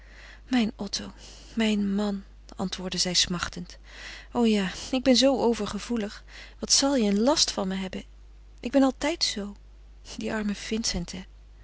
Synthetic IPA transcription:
mɛjnɔtow | mɛjnmɑn | ɑ̰ntʋʊːɹdəzɛjsmɑχtənt | owjaːɪɡ̚bɛnzowowvəɹχəv̥uləχ | ʋɑtsɑlˠjəənlɑstfɑnməɦɛbən | ʔɪɡ̚bɛnɑlˠtɛjtsow | diʔɑɹməfɪnsɛntʰɛ

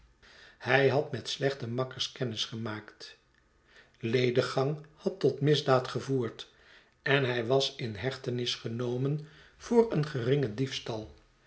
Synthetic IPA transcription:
hɛjɦɑtmɛtslɛχtəmɑkəɹskɛnɪsχəmaːkt | lejdəχɑŋhɑtɔtmɪzdaːtχəvuːɹt | ɛnɦɛjʋɑsɪnɦɛχtənɪsχənowmən | v̥ʊːrənχərɪŋədifstɑlˠ

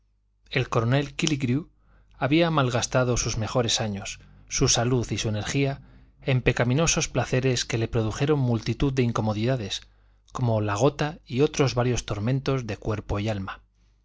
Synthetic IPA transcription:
e̞lko̞ɾo̞ne̞lkiliɣɾju | aβiamalɣast̪aðo̞suzme̞xo̞ɾe̞saɲo̞sː | usaluθisue̞ne̞ɾxia | e̞mpe̞kamĩno̞so̞splaθe̞ɾe̞ske̞le̞pɾo̞ðuxe̞ɾo̞mmːult̪it̪uðd̪eiŋko̞mo̞ðiðaðe̞s | ko̞mo̞laɣ̞o̞t̪aio̞t̪ɾo̞zβaɾjo̞st̪o̞ɾmẽ̞nt̪o̞zðe̞kwe̞ɾpo̞ialma

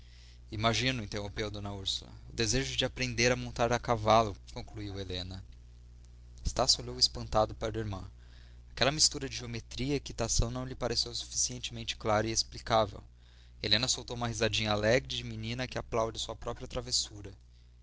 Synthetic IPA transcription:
imaʒĩnʊĩnt̪eɦõpewd̪õnɐuɾsulɐ̰ʊd̪ezeʒʊd͡ʒɪapɾẽnd̪eɾɐmõnt̪aɾɐkavalʊkõkluiwelẽnɐ | est̪asoʎowɪspɐ̃nt̪ad̪ʊpaɾɐiɾmɐ̃ | akɛlɐmist̪uɾɐd͡ʒɪʒiomet̪ɾiɐikit̪asɐ̃w̃nɐ̃w̃ʎɪpaɾesewsu̥fi̥siẽnt͡ʃɪmẽnt͡ʃɪ̥klaɾɐiesplikavḛw | elẽnɐsowt̪owũmɐɦizad͡ʒĩɲɐalɛɡɾɪd͡ʒɪminĩnɐkɪaplawd͡ʒɐsuɐpɾɔpɾiɐt̪ɾavesuɾɐ

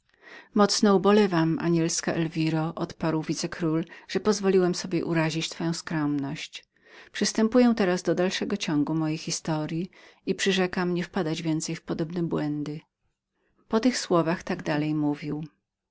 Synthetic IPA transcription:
mɔt̪snɔubɔlɛvama̰ɲɛlskaʔɛlvʲiɾɔʔɔt̪paɾwvʲit̪sɛkɾulʐ̥ɛpɔzvɔlʲiwɛmsɔbʲjɛʔuɾaʑit͡ɕt̪fɔjɔ̃w̃skɾɔmnɔɕt͡ɕ | pʂɨst̪ɛmpujɛ̃t̪ɛɾazd̪ɔd̪alʂɛɡɔt͡ɕɔŋɡumɔjejxʲist̪ɔɾʲjiipʂɘʐɛkamɲɛfpad̪ad͡ʑvʲjɛnt̪sɛjfpɔd̪ɔbnɛbwɛnd̪ɘ | pɔt̪ɘxswɔvaxt̪aɡd̪alɛjmuvʲiw

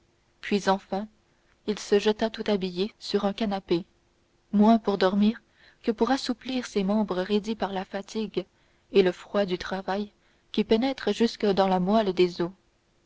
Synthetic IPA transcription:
pɥizɑ̃fɛ̃ | ilsəʒət̪at̪ut̪abijesyʁɛ̃kanape | mwɛ̃puʁd̪ɔʁmiːʁ | kəpuʁasupliʁsemɑ̃bʁəʁed̪ipaʁlafat̪ʰiɡ | eləfχwad̪yt̪χavaj | kʲipenɛt̪χəʒyskəd̪ɑ̃lamwald̪ezo

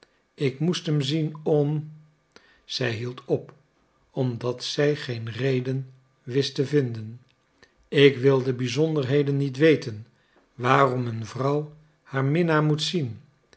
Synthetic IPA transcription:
ɪkmustɦəmzinɔm | z̥ɛjɦilˠtʰɔp | ɔmdɑtsɛjχejnrejdən | ʋɪstəvɪndən | ɪkʋɪlˠdəbizɔndəɹɦejdənːitʋejtən | ʋaːrɔmənvrʌw | haːɹmɪnaːɹmutsin

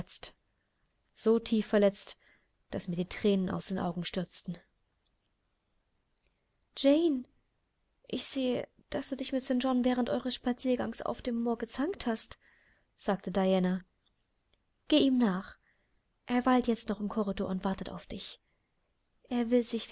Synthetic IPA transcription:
t͡st | z̥oːtʰiːfːɛɐlɛt͡st | d̥asmiːɐdiːtʁ̥ɛːnənʔa̰ʊsd̥eːnʔa̰ʊɡŋ̩ʃtʏɐt͡stn̩ | d͡ʒɛɪn | ʔɪçz̥eːə | d̥asd̥uːdɪçmɪtsœːɐd͡ʒɔnvɛːʁ̞əntʔɔʏʁəsʃpat͡siːɐɡaŋsa̰ʊfd̥eːmːoːɐɡət͡saŋkthast | z̥aːk̚tʰədaɪjɛːna | ɡ̥eːiːmnaːχ | ʔeːɐvaɪltjɛt͡stnɔχɪmkʰɔʁidɔɐʊntv̥aɐtəta̰ʊfd̥ɪç | ʔeːɐvɪlzɪç

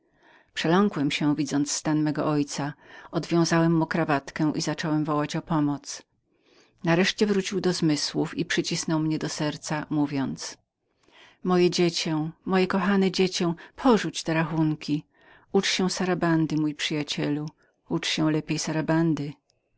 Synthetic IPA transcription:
pʂɛlɔŋkwɛmɕɛ̃vʲid̪zɔnt̪sst̪anmɛɡɔ̰ʔɔjt̪saɔd̪vʲjɔ̃w̃zawɛmːukɾavat̪kɛ̃w̃ʔizat͡ʂɔwɛmvɔwat͡ɕɔpɔmɔt̪s | naɾɛʂt͡ɕɛvɾut͡ɕiwd̪ɔzmɘswufipʂɘt͡ɕisnɔwmɲɛd̪ɔsɛɾt̪samuvʲjɔnt̪s | mɔjɛd͡ʑet͡ɕɛ̃mɔjɛkɔxanɛd͡ʑet͡ɕɛ̃w̃pʰɔʐut͡ɕt̪ɛɾaxuŋkʲi | ut͡ʂɕɛ̃saɾaband̪ɘmujpʂɘjat͡ɕɛlu | ut͡ʂɕɛ̃w̃lɛpʲjejsaɾaband̪ɘ

